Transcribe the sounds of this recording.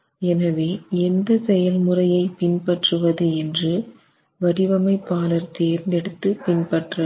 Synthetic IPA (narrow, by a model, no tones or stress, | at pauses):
ɛnɐʋeːɛnd̪ɐsɛjɐlmʊrɐjɐɪpɪnpɐʈrɯʋɐðɯɛndrɯ | ʋɐɽɪʋɐmɐɪpːaːlɐɾt̪eːɾnd̪ɛɽɯt̪ːɯpɪnpɐʈrɐ